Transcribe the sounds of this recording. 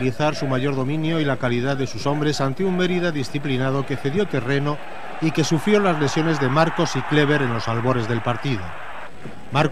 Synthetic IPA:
liθaɾsumaʝo̞ɾðo̞mĩnjo̞ilakaliðaððe̞suso̞mbɾe̞sant̪eumbe̞ɾiðaðisθiplinað̞o̞ke̞θe̞ðjo̞t̪e̞re̞no̞ | ike̞sufɾjolazle̞sjo̞ne̞zðe̞maɾko̞sikle̞β̞e̞ɾe̞nlo̞salβo̞ɾe̞zðe̞lpaɾt̪iðo | maɾ

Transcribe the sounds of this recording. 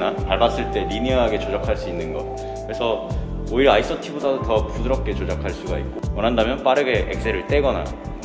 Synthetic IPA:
nataɭbas͈ɯɭt͈e̞ɾiniaɦaɡe̞t͡ɕod͡ʑakʰaɭs͈uinːɯnɡʌ̰t̚ | kɯɾe̞sʰʌ | oiɾais͈ʌtʰibodadotʌpudɯɾʌp̚k͈e̞t͡ɕod͡ʑakʰaɭs͈uɡaḭk̚k͈omʌnɦandamjʌnp͈aɾɯɡe̞ʔḛk̚s͈e̞ɾɯɭt͈e̞ɡʌna̰

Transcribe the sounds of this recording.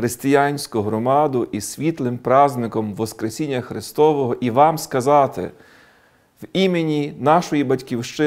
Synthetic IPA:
xɾest̪ɪjanʲsʲkʊɦɾɔmɑd̪ʊʔisʲʋʲit̪lˠɪmpɾɑznɪkɔmʋɔskɾesʲinʲːɐxɾɪst̪ɔʋɔɦɔʔiʋɑmskɐzɑt̪ɪ̰ | wimenʲinɑʃɔjibɐtʲkʲiwʃt͡ʃɪ

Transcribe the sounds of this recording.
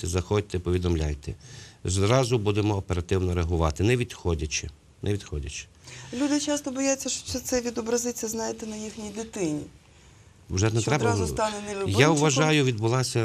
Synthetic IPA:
t̪ɛzɐxɔdʲt̪ɛpɔʋʲid̪ɔmlʲa̰jt̪ɛ̰zɾɑzʊbud̪emɔːpeɾɐt̪ɪwnɔɾeɐɦʊʋɑt̪ɪnɛʋʲid̪xɔdʲɐt͡ʃɪ | nʔɛʋʲid̪xɔdʲɐt͡ʃɪ̥ | lʲud̪ɪt͡ʃɑst̪ɔbɔjat͡sʲːɐʃɔ̥sɛt̪sɛʋʲid̪ɔbɾɐzɪt͡sʲɐznɑjet̪ɛnɐjixnʲijd̪ɪt̪ɪnʲi | wʒɛnɛt̪ɾɛb̪bɐzst̪ɑnɛnɛlʲʊjaʊʋɐʒɑjʊʋʲid̪bʊlˠɑsʲɐ

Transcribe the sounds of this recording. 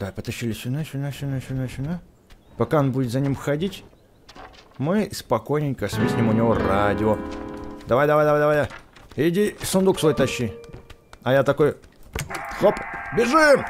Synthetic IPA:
d̪̥apət̪ɐɕːilʲɪsʲʊnasʲʊnaʃʲʊnasʲunasʲʊna | pɐkaonbudʲɪt̪zɐnʲimxɐdʲitʲ | mɨspɐko̞jnʲɪnʲkəsʲmʲisʲnʲimʊnʲɪvoradʲɪod̪ɐvajd̪ɐvajd̪ɐvajd̪ɐvajd̪aɪdʲisʊnd̪uksvojt̪ɐɕːi | ɐjat̪ɐko̞j | xopbʲɪʐɨ

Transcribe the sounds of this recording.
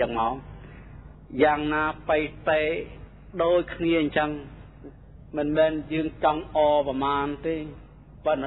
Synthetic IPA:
əŋmaɔ | jaːŋnaːpəjt̪aː | ɗoːc̚kʰniəɲt͡ɕəŋ | mɨnmɛːnjəːŋt͡ɕɑŋʔɑːpamaːnt̪eː | pən

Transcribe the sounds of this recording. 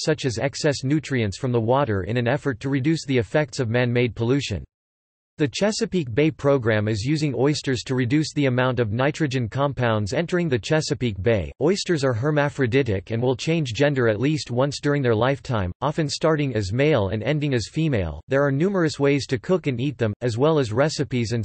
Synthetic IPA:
sʌt͡ʃɨzɛksɛsnʉtɹ̥iɨ̃ntsfɹʌ̃mðəwɔɾə̰˞ʔɨ̰̃ñɨ̃nɛfə˞tʰɨɹɨdʉsðiɨfɛk̚tsʌvmæ̃nmeɪd̚pʰəlʉʃɨ̰̃n | ðɨt͡ʃʰɛsɨpik̚b̥eɪpʰɹ̥oʊɡɹæ̃mɨzjʉzɪ̃ŋɔɪstə˞z̥tʰɨɹɨdʉsðiɨmãʊ̃ntʌvnaɪtɹ̥ɨd͡ʒɨ̃nkʰɑ̃mpʰãʊ̃ndzɛ̃ntə˞ɪ̃ŋðɨt͡ʃʰɛsɨpik̚b̥eɪɔɪstə˞zə˞ɦə˞mæfɹɨdɪɾɪ̰kɨ̃nwɪlˠt͡ʃʰẽɪ̃nd͡ʒd͡ʒɛ̃ndə˞ɨtˡlist̚wʌ̃nsd̥ʊɹɪ̃ŋðə˞laɪftʰãɪ̃mʔɑfɨ̃nstɑɹɾɪ̃ŋɨzmeɪlˠɨ̰̃nɛ̃ndɪ̃ŋɨz̥fimeɪlˠðə˞ːnʉmə˞ɨsweɪz̥tʰɨkʰʊkɨ̃nit̪̚ðɨ̃mɨzwɛlˠɨzɹɛsɨpizɨ̃n

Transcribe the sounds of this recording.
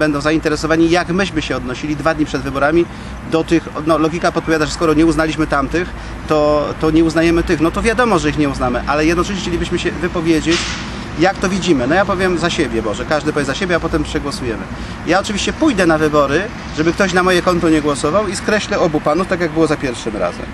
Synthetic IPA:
bɛnd̪ɔ̃w̃zaint̪ɛɾɛsɔvaɲijaɡmɘɕmɘɕɛɔd̪nɔɕilʲid̪vad̪ɲipʂɛd̪vɘbɔɾamʲi | d̪ɔt̪ɘxnɔlɔɡʲikapɔt̪̚pɔvʲjad̪aʐɛskɔɾɔɲɛuznalʲiɕmɘt̪amt̪ɘx | t̪ɔt̪ɔɲɛuznajɛmɘt̪ɘxnɔt̪ɔvʲjad̪ɔmɔʐɛixɲɛuznamɘʔalɛjɛd̪nɔt͡ʂɛʃ̬ɲɛxt͡ɕelʲibɘɕmɘɕɛvɘpɔvʲjed͡ʑet͡ɕ | jakt̪ɔvʲid͡ʑimɘnɔjapɔvʲjɛmzaɕebʲjɛbɔʐɛkaʐd̪ɘpɔvʲjʲɛzaɕebʲjɛapɔt̪ɛmpʂɛɡwɔsujɛmɘ̰ | jaɔt͡ʂɘvʲiɕt͡ɕɛpujd̪ɛnavɘbɔɾɘ | ʐɛbɘkt̪ɔɕnamɔjɛkɔnt̪ɔɲɛɡwɔsɔvawiskɾɛɕlɛɔbupanuft̪akʲjaɡ̚bɘwɔzapʲjɛɾfʂɘmɾa̰zɛ̰m

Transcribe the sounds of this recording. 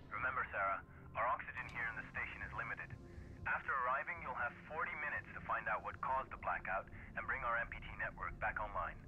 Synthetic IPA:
ɹɨmɛ̃mbə˞sæɹə | aʊə˞ɑksɨd͡ʒɨ̃nhiɹɨ̃nðɨsteɪʃɨ̃nɨzlɪ̃mɨɾɨd | æftʰə˞ə˞aɪvɪ̃ŋjulˠəv̥fɔɹɾimɪ̃ñɨtstʰəfãɪ̃ndaʊt̚wʌt̚kʰɔzðəblækaʊɾ | ɨ̃nbɹɪ̃ŋaʊə˞ɛ̃mpitʰinɛʔwə̰˞k̚b̥ækɑ̃nlã̰ɪ̃n

